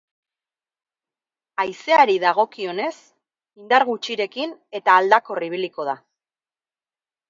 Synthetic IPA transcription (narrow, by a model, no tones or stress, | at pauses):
ajse̞aɾiðaɣ̞o̞kio̞ne̞s | ind̪aɾɣut͡ʃiɾe̞kine̞t̪aːld̪ako̞riβ̞iliko̞ð̞a